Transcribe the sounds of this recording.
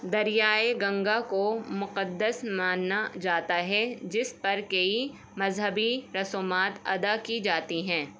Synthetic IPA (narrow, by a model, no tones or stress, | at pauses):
d̪ɐɾijaːeɡɐ̃ŋɡakomʊqəd̪ːəsmãːnːad͡ʒaːt̪aɦɛd͡ʒɪspɐɾkɐi | mɐzɦəbiɾɐsoːmaːt̪ɐ̰d̪akid͡ʒaːt̪iɦɛ̃ː